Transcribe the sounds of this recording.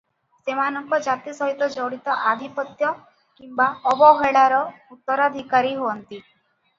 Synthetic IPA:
semanɔŋkɔd͡ʒat̪isɔɦit̪ɔd͡ʒɔɽit̪ɔʔad̪ʱipɔt̪jɔ | kimbaɔbɔɦeɭaɾɔut̪ːɔɾad̪ʱikaɾiɦoɔnt̪i

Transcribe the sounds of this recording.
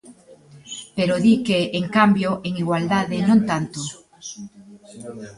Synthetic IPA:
peɾoðikeːŋkambjoʔeŋiɣwald̪aðenõŋt̪ant̪o

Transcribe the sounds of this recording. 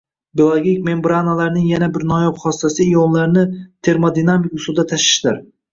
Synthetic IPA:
biolˠoɡʲikʲme̞mbɾanalaɾnɪŋjanabɪɾnɒjɒpχɒssasɪjɒnlaɾnɪt̪ʰe̞ɾmod̪inamikʊsʊd̪at̪ʰaʃɪ̥ʃd̪ɪɾ

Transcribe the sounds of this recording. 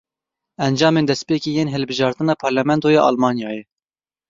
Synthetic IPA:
ɛnd͡ʒɑːmeːnd̪ɛspeːkiːjeːnɦɨlbɨʒɑːɾt̪ɨnɑːpʰɑɾlɛmɛnt̪oːjɑːʔɑ̰lmɑːnjɑːjɛ

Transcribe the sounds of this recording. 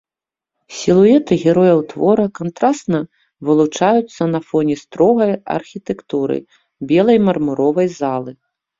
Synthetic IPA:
sʲilˠuɛt̪ɨɣʲɛɾɔjɐwt̪vɔɾɐkant̪ɾast̪nɐ | vɨlˠut͡ʂajut̪sːɐnɐfɔnʲɛst̪ɾɔɣɐjɐ̰rxʲit̪ɛkt̪uɾɨ̰ | bʲɛlˠɐjmɐrmuɾɔvɐjzalˠɨ

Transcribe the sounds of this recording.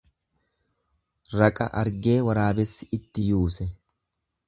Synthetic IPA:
ɾɐkʼɐ̰ʔɐɾɡe̞ːwɐɾaːbɛsːɪɪt̪ːɪjuːsɛ

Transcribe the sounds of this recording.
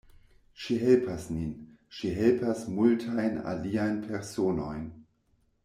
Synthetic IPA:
ʃiɦelpʰasnin | ʃiɦelpʰasmultʰajna̰liajnpʰeɾsono̞jn

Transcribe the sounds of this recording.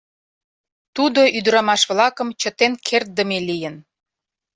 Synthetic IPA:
t̪ud̪oʔyd̪əɾɑmɑʃβlɑkəmt͡ɕə̆t̪enkʰert̪̚d̪əmelijən

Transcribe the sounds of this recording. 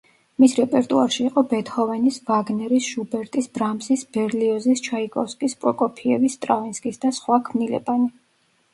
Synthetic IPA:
misɾɛpʼɛɾt̪ʼuaɾʃiːqʼɔbɛt̪ʰχɔvɛnisvaɡnɛɾisʒ̥ubɛɾt̪ʼisb̥ɾamsisbɛɾliɔzist͡ʃʰaikʼɔskʼispʼɾɔkʼɔpʰiɛ̰vist̪ʼɾavinskʼisd̪asχwakʰmnilɛ̰bani

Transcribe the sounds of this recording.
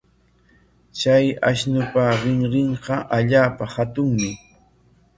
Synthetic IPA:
t͡ʃajaʃnʊpaɾɪŋɾɪɴɢɑʔaʎaːpahat̪ʊŋmɪ

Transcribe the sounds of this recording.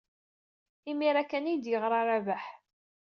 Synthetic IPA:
imiɾækænijd̪jəʁɾˤɑɾˤavaħ

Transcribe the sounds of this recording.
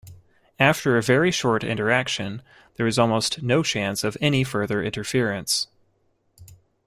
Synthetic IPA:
æftʰə˞ɨvɛɹiʃɔɹɾɪ̰̃ntə˞ækʃɨ̃n | ðə˞ɨzɔlˠmoʊstnoʊt͡ʃʰæ̃nsʌvɛnifɜ˞ðə˞ʔɪ̰̃ntə˞fɪɹɨ̃ns

